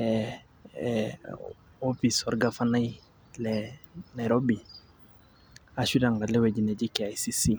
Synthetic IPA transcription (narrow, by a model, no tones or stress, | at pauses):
ɛ | ɔfisɔɾɡafanaj | lɛnajɾobi | aʃidaŋɡalɛwɛd͡ʒinɛd͡ʒikɛajsisi